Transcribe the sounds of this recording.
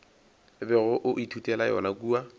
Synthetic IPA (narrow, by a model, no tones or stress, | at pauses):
bɛɣʊʔʊʔitʰutʼɛlajɔ̰nakuːa